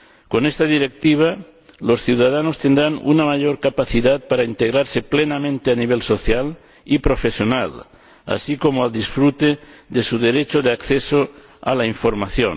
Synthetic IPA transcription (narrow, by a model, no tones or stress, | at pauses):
konest̪aðiɾek̚t̪iβ̞a | losθjuwðað̞anost̪end̪ɾanṵnamaʎoɾkapaθiðat̪̚paɾaint̪eɣɾaɾse̞plenamẽnt̪eaniβ̞elso̞θjal | ipɾo̞fe̞sjo̞nal | a̰sikomoald̪isfɾut̪eðesuðe̞ɾet͡ʃoðeakθeso | a̰laiɱfo̞ɾmaθjo̰n